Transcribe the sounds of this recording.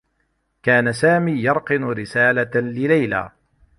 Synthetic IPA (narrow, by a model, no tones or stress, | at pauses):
kaːnasaːmiːjɑɾˤqɨnʊɾɪsaːlalɪlajla̰ː